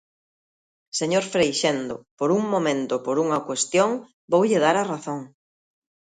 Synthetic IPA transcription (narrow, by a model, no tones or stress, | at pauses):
seɲoɾfɾejʃend̪opoɾuŋmomẽnt̪ʊpoɾuŋɐkwest̪joŋ | bowʎɪðaɾɐraθoŋ